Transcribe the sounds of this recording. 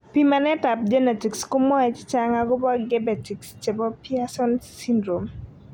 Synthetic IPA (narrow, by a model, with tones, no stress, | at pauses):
pima˨nɛ˦ta˨p̚d͡ʒɛ˦nɛ˨ti˨kskʊ˦mɔ˦ɛ˨t͡ʃt͡ʃa˦ŋaɡʊ˦bɔ˦ɡɛ˦bɛ˨ti˨kst͡ʃɛ˨bɔ˦pia˦sɔ˦nsindɾo˨m